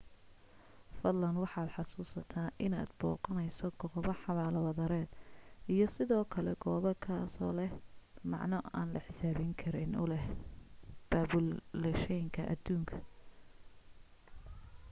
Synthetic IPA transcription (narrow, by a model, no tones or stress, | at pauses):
fɐd̪lɐnwɑħɑːd̪ħɑsuːsɐt̪ʰaːʔɪna̰ːd̪bɔːqɑnɛjsɔɡɔːβɐħɑβaːlɐwɐðɐɾɛːd̪ijɔsɪðɔːkʰɐlɛɡɔːβɐkʰaːsɔ̰ːlɛhmɑ̰ʕnɔa̰ːnlɐħɪsaːβɪŋkʰɐɾɪnʊ̰lɛh | b̥aːβʊllɛʃɛjŋkʰɐʔɐ̰d̪uːŋkʰɐ̥